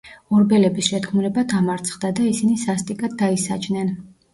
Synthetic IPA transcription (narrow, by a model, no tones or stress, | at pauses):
ɔɾbɛlɛbisʃɛt̪kʰmuɾɛbad̪ʰamaɾt̪sʰχd̪ad̪aisinisast̪ʼikʼad̪̚dːaisa̰t͡ʃʰnɛn